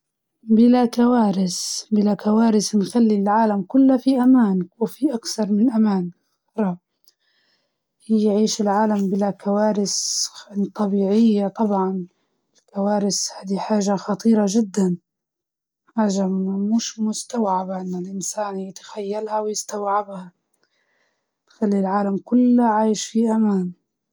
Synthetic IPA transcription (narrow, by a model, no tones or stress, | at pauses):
bɪlakawaːɾɪsbɪlakawaːɾɪsnxalːilʕaːlamkʊlːafiʔamaːnwɪfiʔakθɑɾˤmɪnɪlʔamaːn | ɾˤɑ | jːʕiːʃɪlʕaːlambɪlakawaːɾɪs | t̪ˤːɑbiːʕɪjːat̪ˤɑbʕɑn | ɪlkawaːɾɪshaːd̪iħaːʒaxɑt̪ˤiːɾˤɑʒɪd̪ːan | ħaːʒamʊʃmʊst̪awʕabaʔɪnːɪlʔɪnsaːnjɪt̪ḁxajːalhawjɪst̪awʕabha | t̪xalːilʕaːlamkʊlːʕaːjʃfiʔamaːn